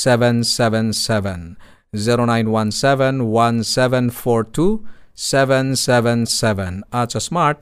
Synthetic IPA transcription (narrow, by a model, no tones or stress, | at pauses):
sɛʋɛ̃nsɛʋɛ̃nsɛʋɛ̃n | ziɾonãj̃nwãnsɛʋɛ̃nwãnsɛʋɛ̃nfɔɾtʰusɛʋɛ̃nsɛʋɛ̃nsɛʋɛ̃nat͡ʃəsmaɾʈ̚